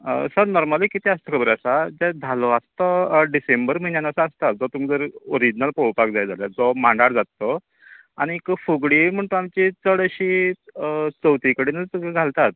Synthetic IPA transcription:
ə̰səɾnɔɾməlikit̪iəst̪əkʰəbəɾəsad͡ʑad̪ʱalʋast̪əɖisembəɾm̤əinjanəsaəst̪at̪̚d͡zɔt̪uːmd͡zəɾoɾid͡ʑinalpowpakd͡zajd͡zaljad͡zɔmãɳɖaɽd͡zat̪ːɔ | aɽ̃ikfuɡɽim̤əɳt̪uamt͡ɕit͡səɽəɕi | t͡səwt̪ikəɽiːnəɡʱalt̪at̪̚

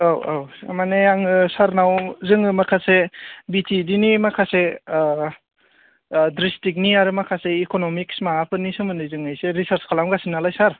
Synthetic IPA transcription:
awawa̰maneaŋsaɾnawzɯŋɯmakʰasebitʰidinimakʰase | dɾistik̚niaɾɯmakʰaseikonomiksmaapʰɯnisɯmɯnɯjzɯŋɯjseɾisaɾskʰalamɡasinːalajsaɾ

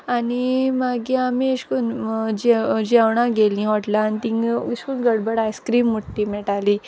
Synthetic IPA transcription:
animaɡiamiəɕkuːnd͡ʑd͡ʑawɳãɡelĩɦɔʈlaːnit̪ĩŋəɕkuːnɡəɽbəɽajskɾiːmːuʈːiːmɛʈali

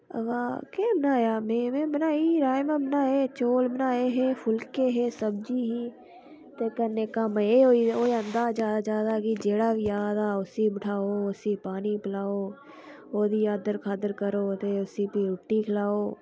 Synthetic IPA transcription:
ɐ̰ʋaːkebənaːjamẽːmẽbɐnaːiɾaːjmãbnaːet͡ʃoːlbənaːeɦefʰʊlkeɦeːsɐbd͡ʒiɦi | t̪ekəɾnekamɐeoioːiɐ̃nd̪aːd͡ʒaːd̪d͡ʒaːd̪akid͡ʒeːɽabijaːd̪aʊsibɪʈʰaːoʊsipaːnipɪlaːoː | oːd̪ijaːd̪əɾkʰaːd̪əɾkəɾot̪eʊsipiɾʊʈːikʰɪlaːoː

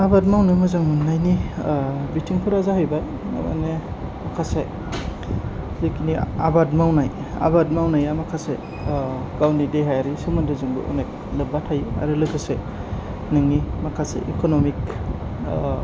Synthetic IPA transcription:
abadmawnɯmɯzɯŋmɯnajni | bitiŋpʰɯɾazaɦɯjba | na̰ma̰nemakʰase | likinia̰badmawnaj | a̰bad̚mawnajamakʰase | ɡawnideɦajaɾisɯmandɯzɯŋbɯ̰ʔo̰nek̚ | lɯbatʰaja̰ɾɯlɯɡɯse | nɯŋnimakʰasḛʔikonomik

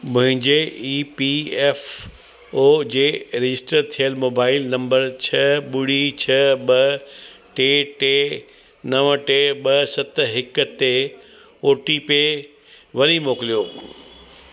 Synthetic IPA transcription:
mʊ̃ɦɪ̃ɲd͡ʑeipieːf | oːd͡ʑeːɾɐd͡ʑɪsʈəɾt̪ʰijəlmoːbaːɪlnɐ̃mbəɾt͡ɕʰɐɓʊɽit͡ɕʰɐɓɐʈeːʈeː | nɐʋʈeːɓɐsɐt̪ɦɪkə̆t̪ːe | oːʈipe | ʋɐɾimoːkɪlijoː

